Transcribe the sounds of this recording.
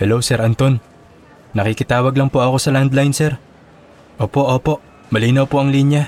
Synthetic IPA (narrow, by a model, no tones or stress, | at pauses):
hɛlowsɛɾʔɐnt̪o̞nː | ɐkikɪt̪aːwɐɡlɐŋpoʔɐko̞sɐland̪lajnsɛɾ | ʔoːpo̞ʔo̞ːpo̞ʔ | mɐliːnɐwpoɐŋlinja